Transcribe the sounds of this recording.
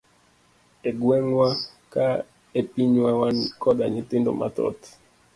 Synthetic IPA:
eɡwɛŋwa | ka | epiɲwawankɔdaɲɪtɪndo̰ma̰tɔ̰t

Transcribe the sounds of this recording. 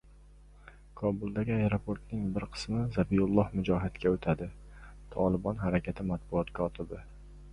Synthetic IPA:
kʰɒbʊlˠd̪aɡʲɪajɾopʰoɾt̪nɪŋbɪɾqʰɨ̥smɪzabijʊlˠːɒhmʊd͡ʒɒɦɪt̪kʲaot̪ʰad̪ɪ | t̪ʰɒlˠɪbɒnɦaɾakʲʰat̪ʰɪmat̪̚bʊɒt̪kʰɒt̪ʰɪbɪ

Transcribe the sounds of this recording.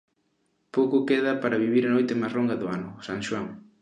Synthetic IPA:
powkʊkeðɐpaɾɐβiβ̞iɾanojt̪ɪmasroŋɡɐðʊanʊsaŋʃwaŋ

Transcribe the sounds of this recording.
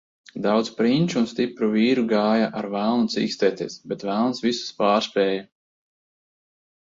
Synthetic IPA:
d̪awt̪spɾinʲt͡ʃunst̪ipɾuviːɾuɡaːjaʔaɾvælˠnut̪sḭːkst̪ʲɛːt̪ʲeːsbʲɛt̪vælˠnsvisu̥spaːɾspɾɛːja

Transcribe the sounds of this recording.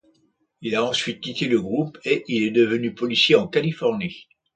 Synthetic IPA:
ilaɑ̃sɥit̪̚kʲit̪eləɡʁupeʔilɛd̪əvənypɔlisjeɑ̃kalifɔʁni

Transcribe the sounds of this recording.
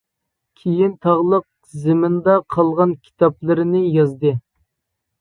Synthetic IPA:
kʲʰejint̪ʰɑʁlˠəq̚ | zɪmɪnd̪ɑqʰɑlˠʁɑnkʲʰi̥t̪ʰɑplˠɨɾɪnɪjɑzd̪ɨ

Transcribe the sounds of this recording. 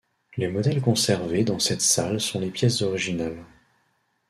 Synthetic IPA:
lemɔd̪ɛlkɔ̃sɛʁved̪ɑ̃sɛt̪salsɔ̃lepjɛszɔʁiʒinal

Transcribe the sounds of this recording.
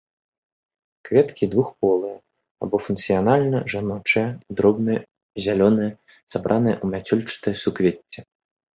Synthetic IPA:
kvʲɛt̪kʲid̪vuxpɔlˠɨjɐ | abɔfunk̪sɨjanalʲnɐʐanɔt͡ʂɐjɛd̪ɾɔbnɨjɛ | zʲalʲɔnɨjɛ | sabɾʔanɨjɐʔumʲat͡sʲɔlʲt͡ʂɨ̥t̪ɨjɐsukvʲet͡sʲːɛ

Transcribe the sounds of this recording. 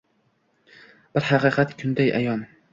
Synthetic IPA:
b̥ɪɾhɑqɨːqʰɑt̪kʲʰʊnd̪ajʔa̰jɒn

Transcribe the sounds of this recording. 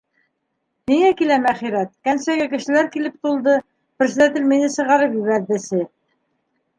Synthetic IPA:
niŋækilæmæχiɾæt̪̚kænsæɡækɘ̆ʃɘ̆læɾkilɘp̚t̪ulˠd̪ɤ | prsd̪æt̪ɘlminɘsɤ̆ʁɑɾɤpjiβæðːɘ̆sɘ

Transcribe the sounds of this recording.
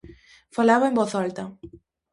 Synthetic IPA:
falaβaemboθalt̪ɐ

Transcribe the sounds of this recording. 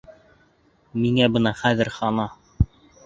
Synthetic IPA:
miŋæbɤ̆nɑχæðɘɾχɑnɑ

